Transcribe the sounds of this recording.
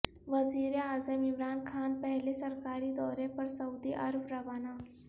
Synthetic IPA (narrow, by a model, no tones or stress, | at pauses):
ʋɐziːɾeaːzəmɪmɾaːnkʰaːnpɛɦlesɐɾkaːɾid̪ɔːɾẽpɐɾsɐuːd̪iʔɐɾbɾɐʋaːnaː